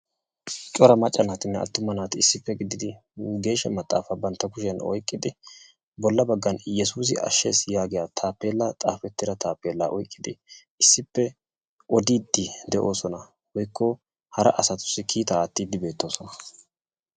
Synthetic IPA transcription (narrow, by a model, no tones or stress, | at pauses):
t͡ʃʼɔɾɐmɐt͡ʃʼːɐnaːt̪ɪnːɛɐ̰t̪ːʊmɐnaːt̪ɪɪsːɪpːɛɡɪd̪ɪd̪ɪ | ɡe̞ːʃːɐmɐt̪ʼːa̰ːfɐbɐnt̪ːɐkʊʃɛnɔ̰jkʼːɪd̪ɪ | bɔlːɐbɐɡːɐnjɛs̬uːs̬ɪʔɐ̰ʃːeːsjaːɡɪjaːt̪ʰaːpːe̞ːlːat̪ʼa̰ːfɛt̪ːɪɾɐt̪ʰaːpːeːlːaːʔɔjkʼːɪd̪ɪ | ɪsːɪpːɛ | ʔɔd̪iːd̪ːɪd̪ɛʔo̞ːsɔnɐ | wɔjkːɔ | hɐɾɐ̰ʔɐsɐt̪ʊ̥sːɪkʰiːt̪ɐːt̪ːiːd̪ɪbe̞ːt̪ːo̞ːsɔnɐ